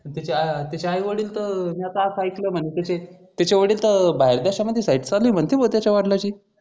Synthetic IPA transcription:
ət̪at͡ɕeat̪jat͡ɕeajʋəɽiːlt̪əɾmiat̪əakajkləːm̤əɳet̪at͡ɕe | t̪at͡ɕeʋəɽiːlt̪əɾbaɦeɾd̪aɕaməd̪ʱːjesajʈt͡saluijm̤ənt̪ʰjebolt̪jat͡ɕaʋaɽlat͡ɕiː

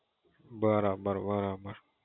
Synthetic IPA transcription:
baɾabaɾbaɾabaɾ

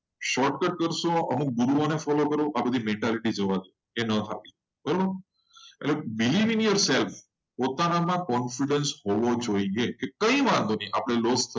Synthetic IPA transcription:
ʃɔʈkəʈ̚kəɾʃõəmuk̚ɡuɾuonefɔlokəɾoʔabəd̪ʱimẽɳʈaliʈid͡ʒəʋad͡ʒ̪o | enət̪ʰa̰pi | b̥əɾobəɾ | ḛlebiliʋiŋjəɾself | pot̪anamãkɔnfiɖənshɔʋod͡ʒoijekekə̃ĩʋãnd̪oniʔapɽ̃elost̪ʰə

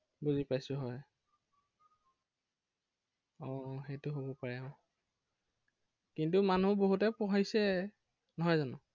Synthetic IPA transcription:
buzipajsʊɦɔj | ɔ̃xejtʊɦobɔpaɹɛʊ̃ | kintumanuboɦutɛpɔɦajsɛ | nɔɦɔjzanʊ

